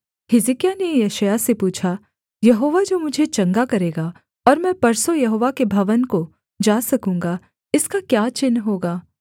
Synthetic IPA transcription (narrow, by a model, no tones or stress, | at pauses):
hɪzɪkijanejɛʃəjasepuːt͡ʃʰa | jɐɦoːʋad͡ʒoːmʊd͡ʒʱet͡ʃɐ̃ŋɡakɐɾeːɡa | ɔːɾmɛ̃ːpɐɾsojɐɦoːʋakebʱɐʋənko | d͡ʒaːsɐkũːŋɡa | ɪskakjaːt͡ʃɪnːɦoːɡaː